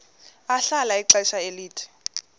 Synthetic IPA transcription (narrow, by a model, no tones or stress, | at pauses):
aɬalaiǁaʃaeliːtʰi̥